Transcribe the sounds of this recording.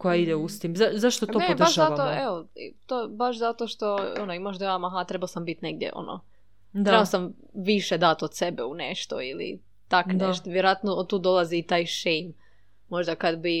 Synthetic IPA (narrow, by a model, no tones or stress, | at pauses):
kojaid̪eust̪imzazaʃt̪ot̪opod̪aʃʒat̪oeʋot̪obaʃzat̪oʃt̪o̞onoimaʃd̪ojamaɦat̪ɾebaosambit̪neɡ̚d̪jḛʔo̞̰no̰ | d̪ɾebaosam | ʋiʃed̪at̪od̪̥sebeuneʃt̪o̰ilḭ | t̪akneʃt̪oʋjeɾoat̪noot̪ːuːd̪o̞lˠaziːt̪aːjʃejmː | o̞ʒd̪akad̪bi